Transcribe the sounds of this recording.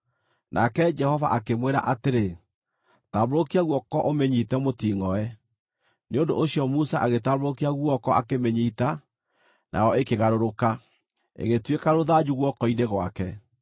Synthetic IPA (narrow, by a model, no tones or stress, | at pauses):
nʔa̰kɛd͡ʒɛhɔvaʔakemweɾa̰ʔateɾe | taβoɾokiaɣwɔkɔʔomɛɲitɛmotiːŋɔɛ | neondo̰ʔoɕiɔmusaʔaɣetaβoɾokiaɣwɔkɔa̰kemɛɲita | nʔa̰jɔekeɣaɾoɾoka | ḛɣetwekaɾoðad͡ʒuɣwɔkɔineɣwakɛ